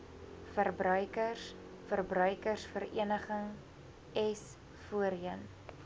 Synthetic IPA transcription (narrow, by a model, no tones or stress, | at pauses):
fərbrœɥkərs | fərbrœɥkərsfəɾḭənəχəŋ | ɛs | fuəɾən